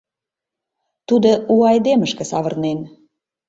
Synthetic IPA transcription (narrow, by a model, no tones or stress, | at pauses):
t̪ud̪ouɑjd̪eməʃkə̆sɑβərnen